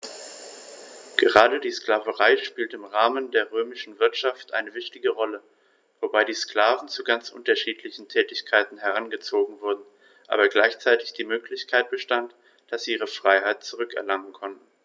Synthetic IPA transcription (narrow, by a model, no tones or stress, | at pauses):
ɡ̥əʁaːdədiːskl̥aːvəʁaɪʃpiːltəɪmʁaːməndeːɐʁøːmɪʃn̩vɪɐtʃaftʔa̰ɪnəvɪçtɪɡəʁɔlə | vobaɪɾiːskl̥aːvn̩t͡suɡant͡sʔʊ̰ntɐʃiːtʰlɪçn̩tʰɛːtɪçkʰaɪtn̩ɦɛʁ̞anɡət͡soːɡŋ̩vʊɐdn̩ | ʔa̰ːbɐɡlaɪçt͡saɪtɪçd̥iːmøːklɪçkʰaɪt̚b̥əʃtant | d̥asz̥iːiːʁ̞əfʁ̥aɪɦaɪt̚t͡suʁ̞ʏkɛ̰ɐlaŋən̩kʰɔntn̩